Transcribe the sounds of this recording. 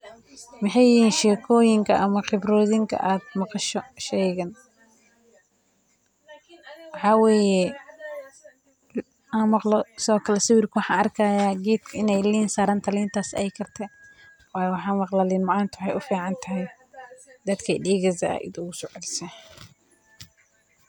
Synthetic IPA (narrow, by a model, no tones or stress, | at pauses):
mɪħɑjɪiːnʃɛːkʰɔːjɪŋkʰɐʔɐmɐqɪbɾɔːðɪŋkʰɐ̰ʔaːd̪mɑqɑʃɔʃɛjɣɐn | wɑħɑːwɛːjɛ | aːnmɑqlɔsɔːkʰɐlɛsɪwɪrkʰʊwɑħɑːnʔɐrkʰɐjaːɡɛːd̪kʰɪnɛjliːnsaːɾɐːnt̪ʰɐliːnt̪ʰaːsɛ̰jkʰɐrt̪ʰɛ | wɑːjwɑħɑːmɑqlaːlɪnmɑʕɑːnt̪ʰʊwħɑjʊfiːʕɑnt̪ʰɐɦɛj | d̪ɐd̪kʰiɖiːɣɐðɐɐ̰ɪ̰d̪ʊɣʊsɔʕɪlsɛ